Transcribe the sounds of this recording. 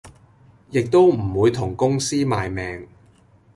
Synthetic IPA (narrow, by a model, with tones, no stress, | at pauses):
jɪ˨k̚t̪o˥wm̩˨˩wuː˨˧jt̪ʰʊ˨˩ŋkʊ˥ŋsiː˥maː˨jmɛː˨ŋ